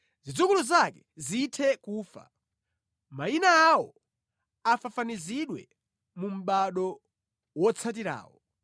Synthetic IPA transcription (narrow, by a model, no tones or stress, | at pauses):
zid͡zukuluzakɛzitʰɛkuːfa̰ | mainaːwɔ | afafaniziɗwɛ̰ | mum̩ɓaɗɔ | wɔt͡sʰat̬iɾa̰ːwɔ